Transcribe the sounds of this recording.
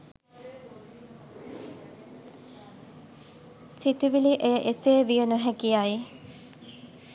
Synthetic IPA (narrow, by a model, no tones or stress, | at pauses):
sit̪iʋiliʔejəʔeseːʋijənuɦækijaji